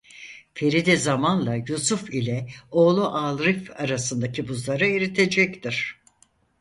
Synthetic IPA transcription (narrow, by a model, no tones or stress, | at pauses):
fe̞ɾid̪ɛzamanlˠajusufilʲɛo̞ːlˠuʔalˠɾifaɾasɯnd̪acʰibuzlˠaɾɯeɾit̪ʰe̞d͡ʒɛct̪iɾ̥